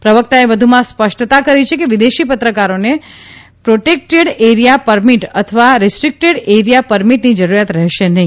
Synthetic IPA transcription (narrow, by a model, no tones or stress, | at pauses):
pɾəʋək̚t̪aeʋəd̪ʱumãspəʃʈt̪akəɾit͡ʃʰekeʋid̪eʃipət̪ɾəkaɾone | pɾoʈek̚ʈeɽeɾijapəɾmiʈət̪ʰəʋaɾɪsʈɾik̚ʈeɽeɾijapəɾmiʈnid͡ʒəɾuɾjat̪ɾɛɦʃenəɦĩ